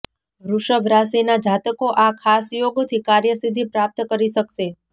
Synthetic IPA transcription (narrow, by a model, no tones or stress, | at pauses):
ɾuʃəbʱɾasinad͡ʒat̪əkoʔakʰasjoɡt̪ʰikaɾjəsid̪ʱipɾap̚t̪kəɾiʃəkʃe